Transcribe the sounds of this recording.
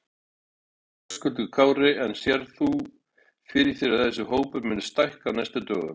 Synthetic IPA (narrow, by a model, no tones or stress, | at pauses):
ɔskʏt̪ʏɣkʰaːwɾɪɛnsjɛɾθu | fɪɾɪ̥θɪːɾaðθɛsːʏɦoːwpʏmɪnːʏst̪ajhkanajst̪ʏt̪œ̰ːɣʏ̰